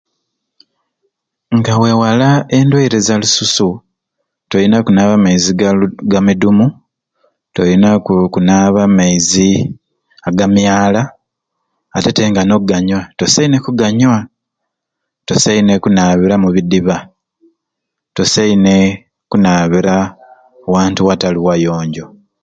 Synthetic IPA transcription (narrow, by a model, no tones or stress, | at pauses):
ŋɡawe̞walae̞ndweiɾezalususu | tojinakunaːβamaiziɡamidumu | tojinakunaːβamaizi | aɡamjaːlaː | te̞te̞ŋɡano̞ɡaɲwato̞sainekuɡaɲwa | to̞saine̞kunaːβiɾamuβidiβa | to̞saine | kunaːβiɾa | waːntuwataliwajo̞ːɲɟo̞